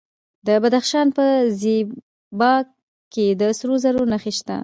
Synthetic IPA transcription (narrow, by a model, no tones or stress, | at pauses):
d̪əbad̪axʃɑnpəze | bɑ | kːed̪əsɾozaɾonaxeʃt̪a̰